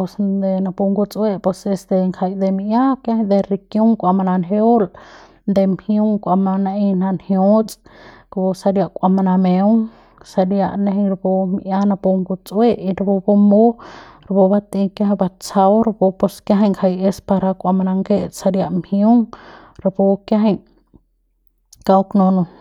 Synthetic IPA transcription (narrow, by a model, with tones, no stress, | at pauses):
po˧sd̪e˧na˧pu˧ŋɡu˧t͡sʼwe˧ʔpo˧se˧st̪e˧ŋkʰa˧jd̪e˧mi˧ja˦kja˦ha˧d̪e˧ɾi˧kju˦ŋkʷa˧ma˧na˧nɦe˧˦o˦l | nd̪e˧mhju˦ŋkʷa˧ma˧na˧ʔi˧na˧nhju˦t͡sʼ | kbo˧sa˧ɾja˧ʔkʷʼa˧ma˧na˧mẽ˧wŋ | sa˧ɾja˧ʔnẽ˧ɦi˧ŋɾa˧bo˧m˧ʔja˦na˧po˧ŋɡu˧t͡sʼwe˦ʔi˧ɾa˧bo˧bo˧mo˦ɾa˧bo˧ba˧t̪ĩ˧kja˦ɦba˧t͡sa˧wɾa˧bo˧po˧skja˦ɦe˧ŋkʰa˧je˧spa˧ɾa˧kʷa˧ma˧na˧ŋɡe˦ʔsa˧ɾja˧ʔmhju˦ŋ | ɾa˧bo˧kja˦ɦe˧j | ka˧wknõ˧nũ˧